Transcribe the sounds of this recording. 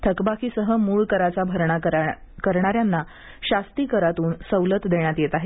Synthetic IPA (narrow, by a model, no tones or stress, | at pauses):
t̪ʰəkbakʰiːsəɦəmuːɭkəɾat͡sabʱəɾɳa | kəɾɳ̃aɾjanːa | ɕast̪iːkəɾat̪uːnsəwlət̪d̪eɳ̃jat̪jet̪aɦe